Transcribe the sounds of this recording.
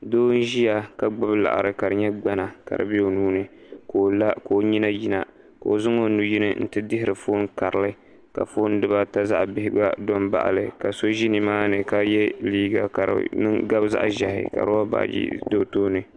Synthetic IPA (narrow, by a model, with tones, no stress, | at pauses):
doː˦n̩˦ʒi˦ja˨ka˨ɡ͡bʊ˦bla̰˨ʔa̰˨ɾɨ˨ka˨ɾɨ˨ɲɛ˦ɡ͡ba˦na˨ka̰˨ɾɨ̰˨bi˦o˨nuː˦nɨ˨ko˨la˦ko˨ɲi˦na˦ji˦na̰˨ | ka˨o˨zʊ˦ŋo˦nu˨ji˦nɨ˦n̩˦tɨ˦dɪ˦ɦɪ˦ɾɨ˨foː˦nka˨ɾɨ˨lɨ˦ | ka̰˨foː˦n˦dɨ˦ba˦ta˦za˦ʔbɪ˦hɪ˦ɡ͡ba̰˦do˦nba̰˦ʔa̰˨lɨ˨ka˨so˦ʒi˦nɨ˨maː˦nɨ˨ka˦jɛ˦liː˦ɡa̰˨ka˨ɾɨ̰˦nɨ˦ŋɡa˦bza̰˦ʔʒa˨hɪ̰˨ka̰˨ɾo˦a˦ba̰˨d͡ʒḭ˦do˦toː˦nɨ˨